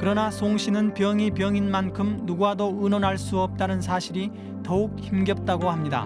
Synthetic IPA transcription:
kɯɾʌnasʰoŋɕʰinɯnpjʌŋipjʌŋinmankʰɯmnuɡuadoɯnʌnɦaɭs͈uʌp̚t͈anɯnsʰaɕʰiɾi | tʌuk̚çimɡjʌp̚t͈aɡohamɲida̰

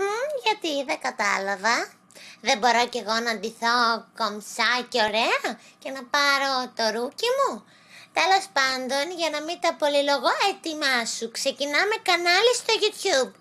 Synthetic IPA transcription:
ʝɐt̪iðeɡɐt̪ɐlɐvɐ | ðe̞bo̞ɾo̞ce̞ɣo̞nɐnd̪iθo̞komsɐceo̞ɾeɐce̞nɐpɐɾo̞t̪o̞ɾucimu | t̪e̞lo̞spɐnd̪o̞nʝɐnɐmit̪ɐpo̞liloɣoet̪imɐsukse̞cinɐme̞kɐnɐlist̪o̞ʝut̪çub̚

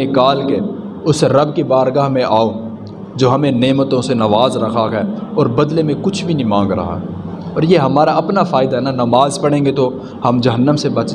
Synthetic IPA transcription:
ekaːlke | ʊsɾɐbkibaːɾɡaɦmẽʔaːõ | d͡ʒoːɦɐmẽneːmət̪õsenɐʋaːzɾɐkʰakɛːɔːɾbɐd̪lemẽkʊt͡ʃʰbʱinĩmãːŋɡɾɐ̰ɦa̰ɦɛ | ɔːɾjeɦɐmaːɾaɐpnafʰaːɪd̪aɦɛnanɐmaːzpɐɽẽːŋɡet̪o | hɐmd͡ʒɐɦənːəmsebɐt͡ʃ

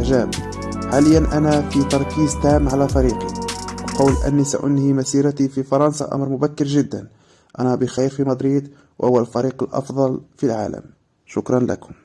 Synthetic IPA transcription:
ʒæb | ħaləjːænʔænæfit̪ɑɾˤkizt̪amːʕalæfɑɾiqḭwqɑwlʔæ̰nːisa̰ʔʊ̰nːimæsiɾæt̪ififɑɾˤɑnsɑ̰ʔɑ̰mɾmʊbækːəɾʒəd̪ːæn | ʔænæbəxæjffimɑd̪ɾid̪ | wʔə̰hʊwːælfɑɾiqəlʔɑ̰fd̪ˤɑlfilʕa̰lə̰m | ʃʊkɾˤɑnlæ̰kʊm

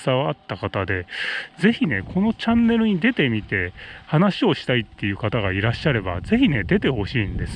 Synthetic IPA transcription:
saβaat̪ːakat̪ad̪e̞ze̞çine̞ko̞no̞t͡ɕãnːe̞ɾɯ̟ɲ̟id̪e̞t̪e̞mʲit̪e̞hanaɕio̞ɕi̥t̪ait̪ːe̞jɯ̟ːkat̪aɡaiɾaɕːaɾe̞ba̰ze̞çine̞d̪e̞t̪e̞ho̞ɕiːnd̪e̞sɨ̥

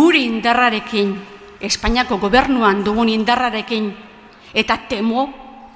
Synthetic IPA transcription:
uɾiind̪araɾe̞kin | e̞spaɲiako̞ɣo̞βe̞rnuand̪uɣunind̪araɾe̞kin | e̞t̪at̪e̞mo

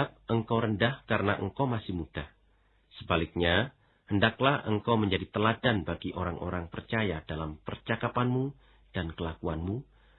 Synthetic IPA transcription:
ap̚ʔəŋkawɾəndahkaɾənaʔəŋkawmasɪhmud̥ah | səbalɪk̚ɲa | həndaklahəŋkawməɲd͡ʒadit̪əladanbaɡiʔoɾaŋʔo̰ɾaŋpərt͡ʃajad̥alampərt͡ʃakapanmu | d̥ankəlakuanmu

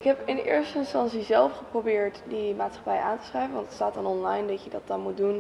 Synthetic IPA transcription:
ɪkɦɛpɪndəʔɪːɹstəɪnstɑntsizɛlˠfχəprobɪːɹtdəmaːtsχɑ̥pɛjaːntə̥srɛjvənʋɑntətstaːtdɑnɔnlɑjndɑcjədɑt̚dɑnmut̚dun

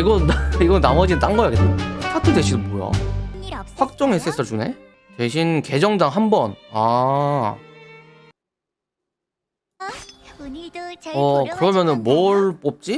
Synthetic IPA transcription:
iɡʌiɡʌnamʌd͡ʑinɯnt͈aŋɡʌjaɡet͈ːeukʰatʰɯde̞ɕʰidɯpojo̰ | ɸwak̚t͡ɕ͈ʌŋes͈ʰes͈ɯɭt͡ɕune̞̰ | twe̞ɕʰinke̞d͡ʑʌŋdaŋɦambʌna | ʌkɯɾʌmjʌnɯnmoɭp͈op̚t͡ɕ͈i

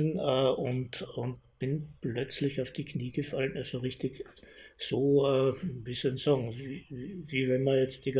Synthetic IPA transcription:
nɛːʊntʊnt̚b̥ɪnplœt͡slɪçaʊfd̥iːkʰniːɡəfalənalz̥oʁɪçtɪçsoːɛːvisuɪnsɑːɡŋ̩viːiviːvɛnmɐjɛt͡stiɡ

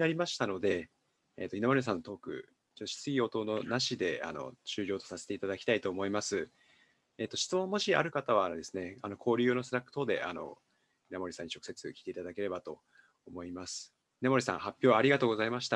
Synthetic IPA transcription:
naɾʲimaɕi̥t̪ano̞d̪e̞̰ː | t̪oinamo̞ɾʲes̬ãnːot̪o̞ːkɯ̟̰ | t͡ɕoɕi̥t͡sɨɡʲio̞t̪o̞no̞naɕid̪e̞a̰no̞̰t͡ɕɨːɾʲo̞ːt̪o̞sase̞t̪e̞it̪ad̪akʲi̥t̪ait̪o̞ːmo̞imasɨ | eːt̪ːo̞ɕi̥t͡sɨmõ̞mːo̞ɕia̰ɾɯ̟kat̪aβ̞and̪e̞sɨne̞ano̞kʰo̞ːɾʲɨ̟ːno̞sɨɾakːɯ̥t̪oːd̪e̞̰ʔano̞̰ | inamo̞ɾisãɲːit͡ɕo̞kɯ̟̥se̞t͡sɨkʲi̥t̪e̞it̪ad̪ake̞ɾe̞bat̪o̞ː | mo̞imasɨ̥ | inamoɾesã̰hapʲːjo̞ːβaɾʲiɡat̪o̞ːɡo̞zaimaɕi̥t̪a

